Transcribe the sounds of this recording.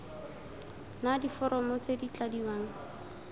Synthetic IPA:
nadifɔɾɔmɔt͡sedit͡ɬʼadiwaːŋ̩

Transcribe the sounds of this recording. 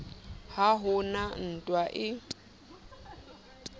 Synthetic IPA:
haɦʊnan̩tʼwaʔɪ

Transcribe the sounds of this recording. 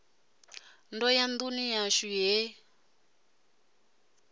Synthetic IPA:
ndɔjand̪unijaʃiɦɛ

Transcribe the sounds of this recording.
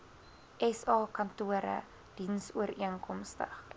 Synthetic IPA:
ʔɛsɑːkɐntuəɾə̰ | d̥insuəɾiənkɔmstə̰χ

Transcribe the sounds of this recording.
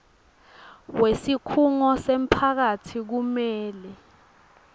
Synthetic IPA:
wesikʰuŋɔsem̩pʰak̬atʰik̬umɛːlɛ

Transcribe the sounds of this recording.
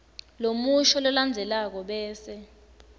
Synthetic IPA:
lomuʃɔlɔland͡zʱɛlak̬ɔɓɛːsɛ

